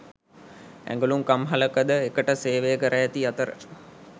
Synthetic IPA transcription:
æ̰ŋɡəluŋkamɦaləkəd̪əekəʈəseːʋejəkəɾəjæt̪iat̪əɾə̰

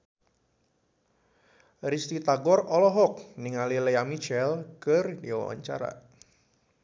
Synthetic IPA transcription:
rist̪it̪aɡɔrɔlɔɦɔk̚niŋalileamit͡ʃɛlkərdiwa̰wa̰ɲt͡ʃa̰ɾa̰

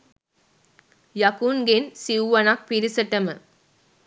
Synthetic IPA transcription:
jɐkunɡensiuʋɐnɐk̚piɾisəʈɐmə

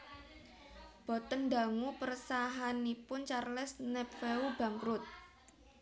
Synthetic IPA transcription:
b̥ɔ̤t̪ənɖa̤ŋupərsaɦanipʊnt͡ʃarlɛsnɛpfeub̥ä̤ŋkɾʊt̪̚

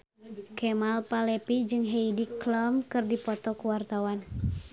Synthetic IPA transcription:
kɛmalpalɛpid͡ʒɨŋɦeidiklɔmkɨrdipɔt̪ɔkuwart̪awan

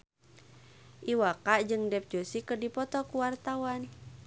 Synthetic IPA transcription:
ʔiwakaʔd͡ʒɨŋdɛp̚d͡ʒosikərdipɔt̪ɔkuwart̪awan

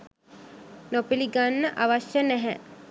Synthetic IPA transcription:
nopiliɡanːəʔaʋaʃjənæɦɛ

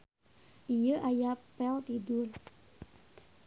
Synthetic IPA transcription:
ʔijəʔajapɛlt̪idul

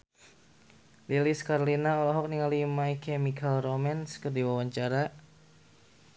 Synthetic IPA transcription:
liliskaɾolinaɔlɔɦɔk̚niŋalimaikʰɛmikalromanskərdiwawaɲt͡ʃaɾa

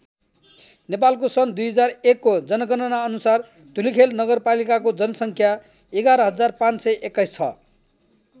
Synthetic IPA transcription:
nepalkosʌnd̪ujɦʌd͡zarekːod͡zʌnʌɡʌnʌnaʌnusar | d̪ʱulikʰelnʌɡʌrpalikakod͡zʌnʌsʌŋkʰja | eɡaɾʌɦʌd͡zarpãnt͡ssʌjʔekːʌjst͡sʰʌ

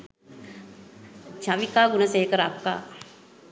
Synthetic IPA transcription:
t͡ʃaʋikaːɡunəseːkəɾap̚ka̰ː

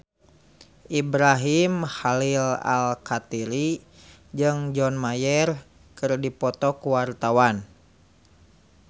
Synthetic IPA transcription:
ʔibɾaɦimhalila̰lkat̪iɾi | d͡ʒɨŋd͡ʒɔnmajɛr | kɨrdipɔt̪ɔkuwart̪awan

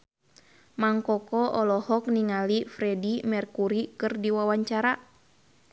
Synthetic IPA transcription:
maŋkɔkɔʔɔlɔhɔk̚niŋalifɾɛdimɛrkuɾikɨrdiwawaɲt͡ʃaɾa

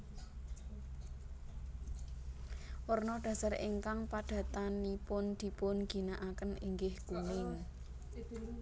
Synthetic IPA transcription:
wərnɔɖ̥ä̤sareŋkaŋpaɖ̥ä̤t̪anipʊnd̪̥i̤pʊnɡ̥i̤naʔakəniŋɡɪhɡ̥unɪŋ

